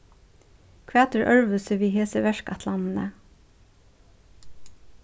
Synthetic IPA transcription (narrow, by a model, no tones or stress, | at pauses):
kʰʋeæːt̪əɹʔœɹʋəsəʋiːheːsəʋæʃkɑt̪ʰlɑnn̩ə